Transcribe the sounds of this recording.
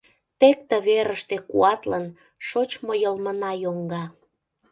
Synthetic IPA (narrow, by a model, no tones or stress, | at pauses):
t̪ek̚t̪ə̆βeɾəʃt̪ekṵɑt̪lən | ʃot͡ɕmojəlmənɑjoŋɡɑ